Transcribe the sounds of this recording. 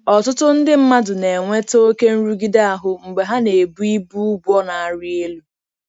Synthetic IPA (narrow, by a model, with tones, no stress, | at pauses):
ɔ˨tʊ˦tʊ˦n̩˦dɪ˦m̩˦ma˦dʊ˨ne˨ŋʷe˦to˦o˦ke˦n̩˦ɾu˦ɡi˦da˦a˨ɦʊ˨ŋ͡m̩˨ɡ͡be˨ɦa˦ne˨bu˦i˦bu˦bɔ˦na˨a˦ɾɪ˦e˦lu˦